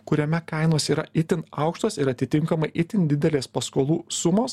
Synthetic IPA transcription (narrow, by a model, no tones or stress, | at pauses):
kʊɾʲoːmʲɛkɐɪnoːsʲiːɾɐɪt̪ʲɪnɐʊkʃt̪oːsɪɾɐt̪ʲɪt̪ʲɪŋkɐmɐɪʔɪt̪ʲɪnd̪ʲɪd̪ʲɛlʲeːspɐskoːlˠuːsʊmoːs